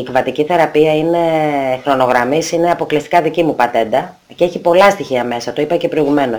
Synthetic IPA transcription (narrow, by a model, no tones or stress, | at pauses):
ikvɐt̪iciθe̞ɾɐpiɐine̞xɾo̞no̞ɣɾɐmisineɐpo̞klist̪ikɐðicimupɐt̪e̞nd̪ɐ | ceçipo̞lɐst̪içiɐme̞sɐt̪oipɐce̞pɾoiɣume̞no̞s